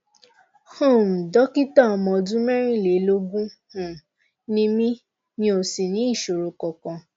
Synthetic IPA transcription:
ho˦˨m̩˨dɔ˦ki˦tã˦˨ɔ˨mɔ̃˧˨dũ˦mɛ˦ɾ̃ĩ˦˨le˨˦lo˦ɡũ˦hũ˨ | nĩ˦mĩ˦ | nĩ˦o˨si˨nĩ˨˦i˦˨ʃo˨ɾo˨kɔ˨kã˧

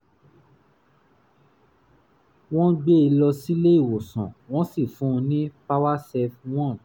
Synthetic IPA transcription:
w̃ɔ̃˦ɡ͡be˦i˧lɔ˧si˦le˦i˦˨wo˨sɔ̰̃˨w̃ɔ̃˦si˦˨fũ˨˦˧nĩ˦pa˦wa˦sɛ˧fw̃ɔ̃˦˨

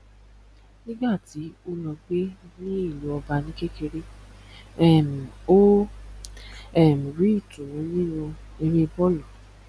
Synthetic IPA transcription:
nĩ˦ɡ͡ba˦˨ti˨˦o˦lɔ˧ɡ͡be˦nĩ˦i˦˨lu˨˦ɔ˧ba˧nĩ˦ke˦ke˧ɾe˦ | ɛ˦˨m̩˨o˦ | ɛ˦˨mĩ˨ɾi˨˦i˦˨tu˨nũ˨˦nĩ˦nũ˧ | e˧ɾĩ˦˧bɔ˦lɔ˨

